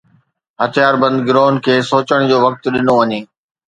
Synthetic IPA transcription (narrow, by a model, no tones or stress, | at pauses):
ɦɐt̪ʰijaːɾbɐ̃nd̪ɡɪɾoːnkʰeːsoːt͡ɕəɽ̃d͡ʑoːʋɐk̚t̪ɗɪnoʋɐɲeː